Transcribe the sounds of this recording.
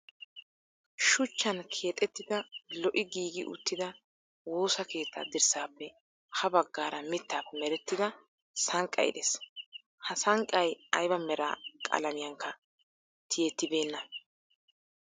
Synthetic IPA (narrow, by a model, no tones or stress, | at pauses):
ʃʊt͡ʃːɐnkʰe̞ːt̪ʼːɛt̪ːɪd̪ɐlɔʔɪɡiːɡɪʔʊ̰t̪ːɪd̪ɐ | wo̞ːsɐke̞ːt̪ʰːɐ̰d̪ɪɾsaːpːɛ | hɐbɐɡːaːɾɐmɪt̪ːaːpːɛmɛɾɛt̪ːɪd̪ɐ | sɐŋkʼːɐ̰ɪ̰d̪es | hɐsɐŋkʼːɐjɐjbɐmɛɾa̰ːkʼɐ̰lɐnɪjɐŋkːɐ | t̪ʰɪjɛt̪ːɪbe̞ːnːɐ